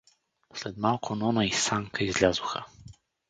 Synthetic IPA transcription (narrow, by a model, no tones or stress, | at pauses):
slɛt̪malˠkʰonɔnaisaŋkʰəizlʲazuxə